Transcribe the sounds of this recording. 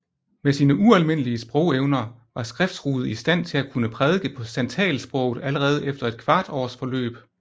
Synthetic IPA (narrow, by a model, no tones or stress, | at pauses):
mesiːnəʔuælme̝n̰əliəsb̥ʁɔ̽ʊeʊnɐ | ʋɑ̈sɡ̥ʁɛfd̥sʁuːð̞̩ˠisd̥æn̰t͡sʰe̝lækʰunəpʰʁɛð̞ˠɡ̥əpʰɒ̽sænt͡sʰɛ̰ːlsb̥ʁɔ̽ʊð̩ˠæləʁɛːð̞̩ˠefd̥ɐe̝d̥̚kʰʋɑ̈ːd̥ɒ̰ːsfɒ̽lø̰ːb̥